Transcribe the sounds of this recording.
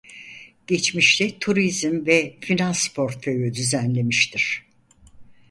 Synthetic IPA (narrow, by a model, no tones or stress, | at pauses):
ɟ̥et͡ʃmiʃlɛt̪ʰuɾizmvɛfinanspʰo̞ɾt̪fejyd̪yzænlʲe̞miʃt̪ʰiɾ̥